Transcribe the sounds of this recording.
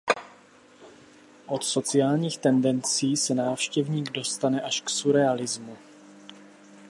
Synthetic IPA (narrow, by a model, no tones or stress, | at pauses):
ʔo̞t̪so̞t͡sɪaːlɲiːxt̪ɛndɛnt͡siːsɛnaːfʃcɛvɲiːɡdo̞st̪anɛʔaʃksuɾɛalɪzmu